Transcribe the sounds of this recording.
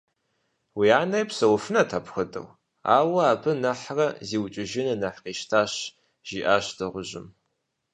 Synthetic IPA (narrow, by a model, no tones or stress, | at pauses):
wiaːnɐjpsɐwʊfɨnɐtʰaːpxədɐ̰w | a̰ːwɐaːbʰɨnɐħrɐziːwt͡ʃʼɪʒɪnɐnɐħqiːʃtʰaːɕ | ʒ̥iːʔaːɕd̥ɐʁʷʊʑɪ̰m